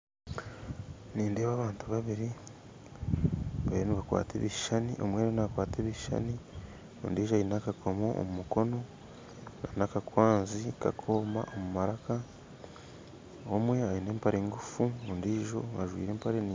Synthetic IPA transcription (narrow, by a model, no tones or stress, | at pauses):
niːndeːβaːβaːntuβaβiɾi | βaβiɾeniβakwa̰ːtʰḛβiʃaniʔo̞̰mweːɾonaβakwaːteβiʃa̰ni | ondiːʒajinakakʰo̞mo̞o̰mumuko̞no̞ | nanakakwaːnzika̰kʰo̞ːma̰ʔomumaɾaka | omwe̞ajine̞ːmpaɾeːŋɡufuondiːʒo̞̰ŋaʒwḭːɾeːmpaɾen